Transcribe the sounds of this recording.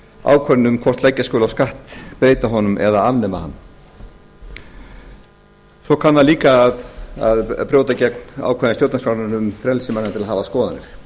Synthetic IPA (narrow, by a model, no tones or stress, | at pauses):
a̰ːwkʰvɛɾnʏmkʰɔr̥t̪lajcːaskoːlawskaht̪pɾeːjt̪aɦɔnʏmɛ̰ðaavnɛma̰ha̰nː | sɔkʰanːaliːkaːðaðpɾjowt̪acɛkna̰ːwkʰɛɾnst̪jowt̪asfvaɾnʏnʏmfɾɛlsɪmanːat̪ɪlaɦaːvaskɔːða̰nɪ̰ɾ̥